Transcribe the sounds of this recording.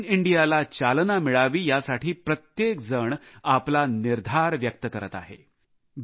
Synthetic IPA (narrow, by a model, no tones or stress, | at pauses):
niɳɖijalat͡ɕalnamiɭaʋiːjasaʈʰiːpɾət̪jekd͡zəɳaplaniɾd̪ʱaɾʋjək̚t̪əkəɾət̪a̰ɦḛ | b